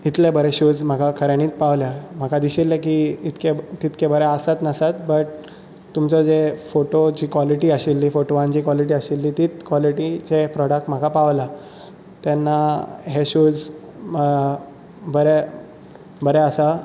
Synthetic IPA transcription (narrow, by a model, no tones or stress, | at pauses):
it̪lebəɾeɕud͡zm̤əkakʰəɾjaɽ̃iːt̪paʋljam̤akad̪iɕilːekiit̪ket̪it̪kʰebəɾɛəsat̪nəsat̪bəʈ̚ | t̪umt͡sɔd͡zefoʈod͡ʑiːkʋɔliʈiəɕilːiːfoʈoʋãɲd͡ʑiːkʋɔliʈ̬iːəɕilːiːt̪iːt̪kʋɔliʈid͡ʑepɾɔɽək̚ʈm̤akapaʋla | t̪enːaɦeɕud͡z | bəɾe | bəɾeəsa